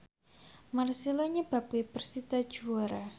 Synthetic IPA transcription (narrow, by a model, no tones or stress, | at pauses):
marsilaɲəb̥ap̚wipərsit̪ḁd͡ʒuaɾa